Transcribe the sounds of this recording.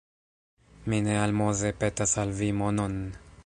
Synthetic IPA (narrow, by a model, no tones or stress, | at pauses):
minealmozepet̪asalvimonon